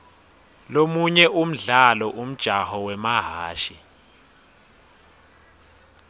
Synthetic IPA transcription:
lomuɲɛʔum̩ɮalɔʔum̩d̥ʒ̥ʱahɔwɛmaɦaːʃi

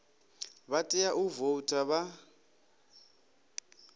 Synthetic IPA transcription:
βatʼɛjaʔuvotʼaβa

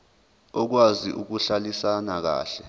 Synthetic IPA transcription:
ɔk̬waziʔuk̬uɬalisanak̬a̰ːɬɛ

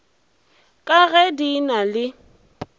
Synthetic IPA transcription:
kʼaɣɛdinalɪ

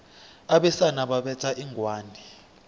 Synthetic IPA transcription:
aɓɛsanaɓaɓɛtʰʼaʔiːŋʱwaːndʱi

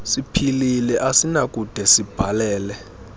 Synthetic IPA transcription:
sipʰililɛʔasinakʼud̥ʱɛsib̥ʱalɛːlɛ

